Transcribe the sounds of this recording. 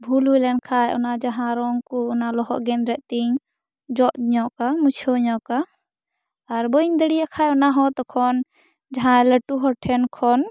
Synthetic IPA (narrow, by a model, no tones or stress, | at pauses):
bʱulɦujlɛnkʰajɔnad͡ʒaɦãɾɔŋɡkɔːnalɔɦɔ̰ʔɡɛnɾɛʔt̪iɲ | d͡ʒɔʔɲɔʔkamut͡ʃʰɔɲɔkaː | ɾbɔiɲd̪əɽijakʰajɔnaɦɔt̪ɔkʰɔn | d͡ʒaɦãləʈuɦɔʈʰɛnkʰɔn